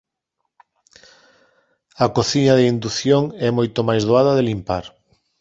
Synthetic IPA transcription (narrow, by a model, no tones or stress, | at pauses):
ɐkoθiɲɐðeind̪uθjoŋɛmojt̪omajzð̞oaðɐðɪlimpaɾ